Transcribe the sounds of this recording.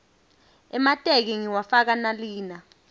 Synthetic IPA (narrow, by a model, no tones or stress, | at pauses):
ɛmatʼek̬iŋiwafak̬analiːna